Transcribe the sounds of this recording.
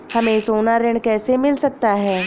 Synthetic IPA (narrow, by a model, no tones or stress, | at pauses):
hɐmẽsoːnaɾɪ̃ɳɖkɛːsemɪlsɐk̚t̪aɦɛː